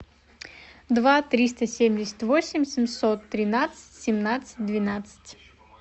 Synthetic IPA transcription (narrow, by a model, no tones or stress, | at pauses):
d̪vat̪ɾʲist̪əsʲemʲdʲɪsʲɪ̥t̪ʲvosʲɪmʲsʲɪmʲsot̪ːɾʲɪnat̪sɨ̥tʲsʲɪmnat̪sɨ̥t̚ʲd̪vʲɪnat̪sɨ̥tʲ